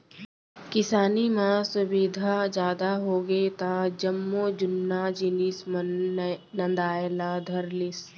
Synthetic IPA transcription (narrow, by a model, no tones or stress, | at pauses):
kɪsaːnimãsʊbiːd̪ʱad͡ʒjaːd̪aɦoːɡet̪ad͡ʒəmːod͡ʒʊnːad͡ʒinism | nɐ̃nd̪aːjlad̪ʱɐɾlɪs